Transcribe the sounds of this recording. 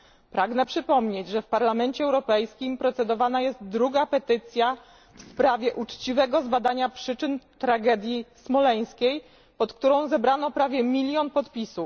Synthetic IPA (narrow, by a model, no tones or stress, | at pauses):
pɾaɡnɛpʂɘpɔmɲed͡ʑʐɛfpaɾlamɛnt͡ɕɛːwɾɔpɛjskʲimpɾɔt̪sɛd̪ɔvanajɛst̪̚d̪ɾuɡapɛt̪ɘt̪sʲja | fspɾavʲjɛʔut͡ʂt͡ɕivɛɡɔzbad̪aɲapʂɘt͡ʂɘnt̪ɾaɡɛd̪ʲjismɔlɛj̃skʲej | pɔt̪kt̪uɾɔ̃w̃zɛbɾanɔpɾavʲjɛmʲilʲjɔnpɔt̪pʲisu